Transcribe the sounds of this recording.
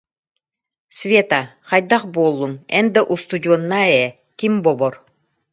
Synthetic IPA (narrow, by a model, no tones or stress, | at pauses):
svʲet̪aχajd̪aχbuɔlˠːunɛnd̪aʔust̪ud͡ʑuɔnːaɛɛ | kimbɔbɔɾ